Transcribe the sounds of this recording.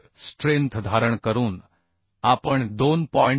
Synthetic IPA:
sʈɾẽnt̪ʰd̪ʱaːɾəɳkəɾũːn | aːpəɳd̪onpɔɪ̃ɳ

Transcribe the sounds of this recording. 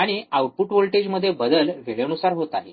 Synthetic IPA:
aɽ̃iawʈ̚puʈʋolʈed͡ʑməd̪ʱːjebəd̪əlʋeɭeənusaɾɦot̪ale

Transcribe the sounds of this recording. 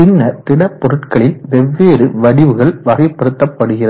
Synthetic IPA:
ɪnːɐt̪ɪɽɐpːɔɾɯʈkɐɭɪnʋɛʋːeːɾɯʋɐɽɪʋɯɣɐɭʋɐɣɐɪpːɐɽɯt̪ːɐpːɐɽɯɣɪrɐð

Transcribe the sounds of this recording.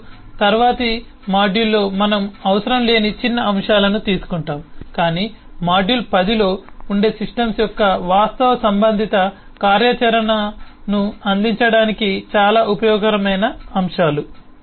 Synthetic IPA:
t̪ɐɾʋaːt̪i | maːɖjulːo̞ːmɐnɐmɐʋɐsɐɾɐmle̞ːnit͡ʃinːɐɐmʂaːlɐnut̪iːsu̥kuɳʈaːmkaːniː | maːɖjulpɐd̪ilo̞ːuɳɖe̞ːsiʂʈɐmsjɔkːɐʋaːst̪ɐʋɐsɐmbɐnd̪ʱit̪ɐ | kaːɾjɐt͡ʃɐɾɐnɐnuɐnd̪iɲt͡ʃɐɽaːnikit͡ʃaːlaːʔupɐjɔːɡɐɾɐmɐjnɐːmʂaːlu

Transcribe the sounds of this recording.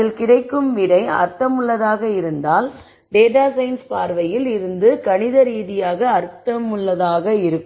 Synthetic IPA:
ɪlkɪɽɐɪkːɯmʋɪɽɐɪɐ̰ɾt̪ɐmʊɭːɐðaːɣɐɪɾɯnd̪aːl | ɖeːʈaːsɐɪnspaːɾʋɐjɪlɪɾɯnd̪ɯkɐɳɪðɐɾiːðɪjaːɣɐːɾt̪ːɐmʊɭːɐðaːɣɐɪɾɯkː

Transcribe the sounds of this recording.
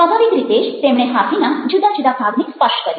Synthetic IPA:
pɔbʱaʋikɾit̪eʃt̪emɽ̃ẽɦapʰinad͡ʒud̪ad͡ʒud̪ʱabʱaɡnikspəʂʈkəɾi

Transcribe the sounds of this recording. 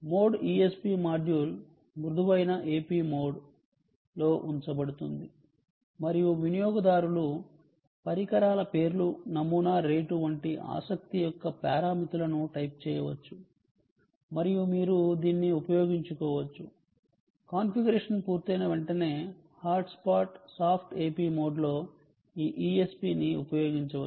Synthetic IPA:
mo̞ːɖiespiːmaːɖjul | mɾud̪uʋɐjnɐʔeːpiːmo̞ːɖ | lo̞ːʔuɲt͡ʃɐbɐɽut̪und̪i | mɐɾijuʋinijoːɡɐd̪aːɾulu | pɐɾikɐɾaːlɐpe̞ːɾlunɐmuːnaːɾe̞ːʈuʋɐɳʈiʔa̰ːsɐk̚t̪ijɔkːɐpaːɾaːmit̪ulɐnuʈɐjp̚t͡ʃɛːjɐʋɐt͡ʃːu | mɐɾijumiːɾud̪iːnːiupɐjo̞ːɡiɲt͡ʃukɔːʋɐt͡ʃːu | kaːnpʰiɡɐɾeːʂɐnpuːɾt̪ɐjnɐʋeɳʈɐne̞ː | haːɾɖspaːʈsaːpʰʈe̞ːpiːmo̞ːɖlo̞ː | iːʔiːespiːniupɐjo̞ːɡiɲt͡ʃɐɐ

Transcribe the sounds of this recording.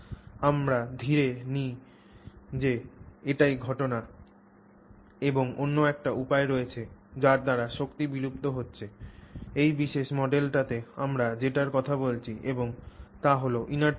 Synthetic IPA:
amɾad̪ʱiɾeni | d͡ʑeeʈajɡʱɔʈona | eboŋonːoɛk̚ʈaupaeɾɔet͡ɕʰed͡ʑaɾd̪aɾaʃokt̪ibiɾupt̪oɦotːɕʰeejbiʃeʃmɔɖelʈat̪eamɾad͡ʑeʈaɾkɔt̪ʰabolt͡ɕʰiʔeboŋt̪aɦoloʔina

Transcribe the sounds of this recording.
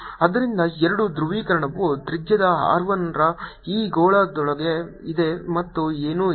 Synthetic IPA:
ɐd̪ɐɾind̪ɐɛɾɐɽud̪ɾuʋiːkɐɾɐɳɐʋːud̪ɾid͡ʒjɐd̪ɐɦa̰ːɾʋɐnɾɐiːɡoːɭaːd̪ɔɭɐɡe̞ | id̪e̞mɐt̪ːueːnuː

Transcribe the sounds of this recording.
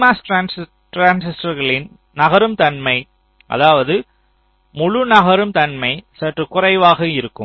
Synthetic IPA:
maːsʈɾaːnsɪ | ʈɾaːnsɪsʈɐɾɣɐɭɪn | nɐɣɐɾɯmt̪ɐnmɐɪ | ʔɐ̰ðaːʋɐðɯ | mʊɻʊnɐɣɐɾɯmt̪ɐnmɐɪsɐʈrɯkʊrɐɪʋaːɣɐɪɾɯkːɯm

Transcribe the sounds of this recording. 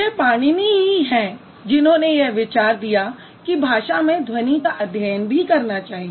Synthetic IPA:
epaːɽ̃imẽɦiɦɛ̃ː | d͡ʒɪnɦõnejeʋɪt͡ʃaːɾd̪ija | kibʱaːʃamẽd̪ʱwɐnikaʔɐd̪ʱjəjənbʱikɐɾnat͡ʃaːɦie

